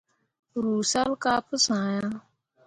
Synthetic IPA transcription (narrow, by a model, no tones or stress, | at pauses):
ɾuːsalkaːpʰəsãːjãː